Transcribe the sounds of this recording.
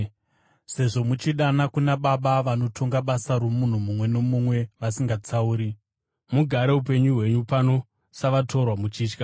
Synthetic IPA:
se̞ʐo̞mut͡ʃiɗanakunaɓaɓaʋano̞tʰo̞ŋɡaɓasaɾomun̤umumwe̞nomumwe̞ʋasiŋɡat͡sauːɾi | muɡʱaɾe̞up̬e̞ɲuɦwe̞ɲupano̞ | saʋatʰo̞rwamut͡ʃiːt͡ʃka

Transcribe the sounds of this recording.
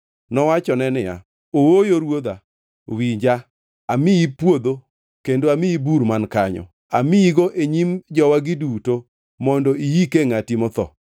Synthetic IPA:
nɔwat͡ʃɔnɛnɪja̰ | owojoɾwod̪a | wiɲd͡ʒa | amɪjipwod̪o | kendoamɪibuɾmankaɲɔ̰ | a̰miiɡoʔeɲimd͡ʒɔwaɡɪduto | mɔndɔijikeŋatimɔt̪ɔ̰

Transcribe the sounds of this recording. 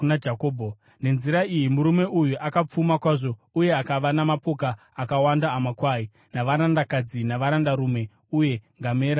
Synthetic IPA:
nad͡ʒakoːbʱo | ne̞nziɾaijimuɾume̞ʔujuʔakap͡fumakwaːʐo̞ | uje̞akaʋanamapokaː | kawandaːmakwaːi | naʋaɾandakad͡zinaʋaɾandaɾume̞ | uje̞ŋɡame̞ːɾa

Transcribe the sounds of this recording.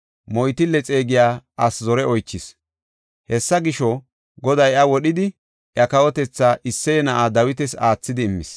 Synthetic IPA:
mɔjt̪ɪlːɛt͡sʼe̞ːɡɪjaːʔɐszɔɾɛʔɔjt͡ʃːɪs | hɛsːɐɡɪʃɔ | ɡɔd̪ɐjɐwɔɗɪd̪ɪ | ʔjɐkɐwɔt̪ɛt͡sːaːʔɪsːɛjɛnɐʔaːd̪ɐwɪt̪ɛsaːt͡sːɪd̪ɪːmːɪ̰s

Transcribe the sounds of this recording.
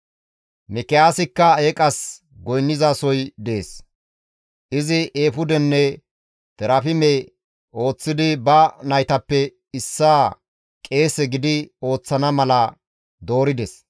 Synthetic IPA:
mɛkɛjaːsɪkːɐeːkʼɐs | ɡɔjnːɪzaːsɔjd̪eːs | ʔɪzɪʔeːfʊd̪ɛnːɛ | t̪ɛɾɐfɪmɛ | o̞ːt͡sːɪd̪ɪbɐnɐjt̪ɐpːɛ | ɪsːaː | kʼe̞ːsɛɡɪd̪ɪo̞ːt͡sːɐnɐmɐlɐ | d̪o̞ːɾɪd̪ɛs

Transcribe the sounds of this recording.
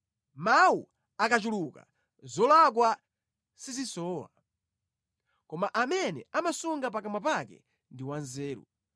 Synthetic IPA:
mawṵ | akat͡ʃuluka̰ | zɔlak̬wa | sizisɔːwa̰ | kɔmaʔamɛnɛ̰amasuŋɡapakamapakɛ̰ | ndiwanzɛːɾṵ

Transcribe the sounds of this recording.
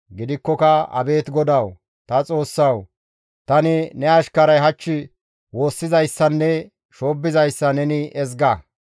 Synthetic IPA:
ɡɪd̪ɪkːɔkɐɐ̰be̞ːt̪ɡɔd̪ɐw | t̪ɐt͡sʼo̞ːsːɐw | t̪ɐnɪnɛɐʃkɐɾɐjɦɐt͡ʃːɪ | wo̞ːsːɪzɐjsːɐnːɛ | ʃo̞ːbːɪzɐjsːɐnɛnɪʔɛzɡɐ

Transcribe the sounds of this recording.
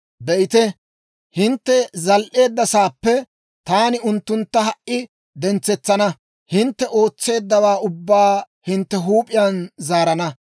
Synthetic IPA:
bɛʔɪt̪ɛ | hɪnt̪ːɛzɐlʔe̞ːd̪ːɐsaːpːɛ | t̪aːnɪʊnt̪ːʊnt̪ːɐɦɐʔʔɪ | d̪ɛnt͡sɛt͡sːɐnɐ | hɪnt̪ːɛʔo̞ːt͡sːe̞ːd̪ːɐwaːʔʊbːaː | hɪnt̪ːɛɦuːpʼɪjɐnzaːɾɐnɐ

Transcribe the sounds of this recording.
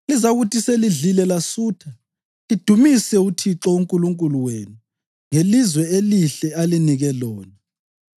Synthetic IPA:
lizaɣutʰiseliɮilɛlasuːtʰa | lid̥ʱumisɛutʰiǁɔuŋkʼuluŋkʼuluwenu | ŋelizwɛeliɬɛaliniɣɛlɔːnɛ

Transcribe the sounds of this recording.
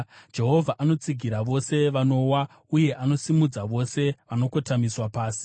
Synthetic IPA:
d͡ʒe̞ɦo̞vʱaʔano̞t͡siɡʱiɾaʋo̞se̞ʋano̞wa | uje̞ʔano̞simud͡zaʋo̞se̞ʋano̞ko̞tamiswapaːsi̥

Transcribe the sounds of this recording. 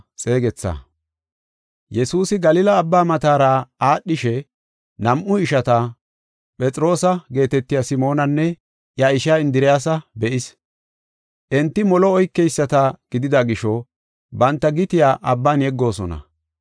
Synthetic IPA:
sʼe̞ːɡɛt͡sːa̰ | jɛsuːsɪɡɐlɪlɐːbːaːmɐt̪aːɾaaːɗːɪʃɛ | nɐmʔʊɪʃɐt̪ɐ | pʼɛt͡sʼɾo̞ːsɐɡe̞ːt̪ɛt̪ːɪjasɪmo̞ːnɐnːɛ | ʔjɐɪʃaːɪnd̪ɪɾɪjaːs̬ɐbɛʔɪs | ʔɛnt̪ːɪmɔlɔːjkːɛjsːɐt̪ɐɡ̥ɪd̪ɪd̪ɐɡɪʃɔ | bɐnt̪ːɐɡɪt̪ɪjaːʔɐbːaːnjɛɡːo̞ːsɔnɐ̰

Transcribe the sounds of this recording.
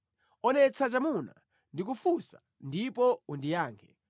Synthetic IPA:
ɔnɛt͡sʰat͡ʃamuna̰ | ndik̬ufusa̰ | ndipɔundijaːŋkʰɛ

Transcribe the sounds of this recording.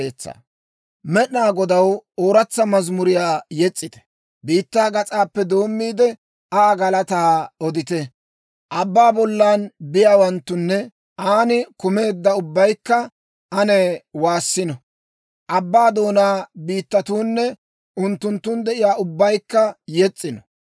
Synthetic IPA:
eːt͡sːa̰ | mɛɗnaːɡɔd̪ɐwoːɾɐt͡sːɐmɐzmʊɾɪjaːjɛt͡sʼːɪt̪ɛ̥ | biːt̪ːaːɡɐt͡sʼaːpːɛd̪o̞ːmːiːd̪ɛ | aːɡɐlɐt̪aːɔd̪ɪt̪ɛ | ʔɐbːaːbɔlːaːnbɪjaːwɐnt̪ːʊnːɛ | ʔaːnɪkʊme̞ːd̪ːɐʊbːɐjkːɐ | ɐnɛwaːsːɪnɔ | ʔɐbːaːd̪o̞ːnaːbiːt̪ːɐt̪uːnːɛ | ʔʊnt̪ːʊnt̪ːʊnd̪ɛʔɪjaːʊbːɐjkːɐjɛt͡sʼːɪnɔ

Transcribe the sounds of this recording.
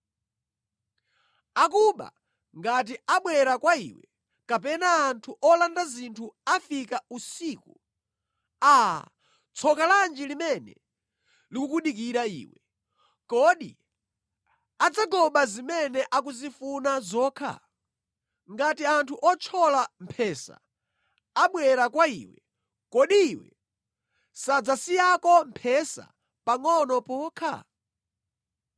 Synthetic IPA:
akuɓa̰ | ŋɡat̬iaɓwɛɾakwaḭːwɛ̰ | kapɛnaːntʰuʔɔlandazintʰuafikausiːku | a̰ | t͡sʰɔkaland͡ʒilimɛnɛ̰ | likukuɗik̬iɾaḭːwɛ | kɔɗḭ | ad͡zaɡɔɓazimɛnɛʔakuzifunazɔːkʰa̰ | ŋɡatiantʰuʔɔt͡ʃʰɔlam̩pʰɛsa̰ | aɓwɛɾakwaḭːwɛ | kɔɗiːwɛ̰ | sad͡zasijakɔm̩pʰɛsa̰ | paŋɔnɔpɔːkʰa̰

